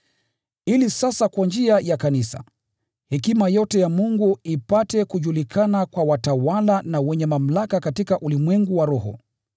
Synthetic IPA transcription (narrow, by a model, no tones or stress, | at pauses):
ilisasakwand͡ʒiajakanisa̰ | hɛkimajɔtɛjamuŋɡuipatɛkuʄulikʰanakwawatawalanawɛɲɛmam̩lakakatikaʔulimwɛŋɡuwaɾɔɦɔ̰